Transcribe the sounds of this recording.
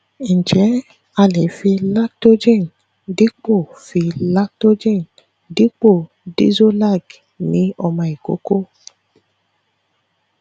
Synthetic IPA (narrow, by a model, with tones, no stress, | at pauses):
n̩˨d͡ʒɛ˨˦ | a˧le˨˦fi˧la˦to˦d͡ʒẽ˦˨n | di˦k͡po˦˨fi˧la˦to˦d͡ʒe˦˨n | di˦k͡po˦˨ | dḭ˦zo˦la˦˨ɡ | nĩ˨˦ɔ˧mã˧i˨ko̰˨˦ko˦